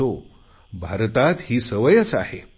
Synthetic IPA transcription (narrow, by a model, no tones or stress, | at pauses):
o | bʱaɾt̪at̪hiːsəʋəjət͡sa̰he